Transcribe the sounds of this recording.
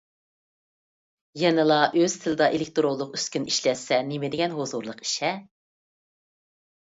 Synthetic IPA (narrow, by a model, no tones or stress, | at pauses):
jɛnɪlˠɑʔøz̥t̪ʰɪlɨd̪ɑʔelɪk̚ʲt̪ʰoɾolˠːʊqyskʲyniʃlɛsɛnemɪd̪ɪɡʲɛnɦozuɾlˠəqi̥ʃɛ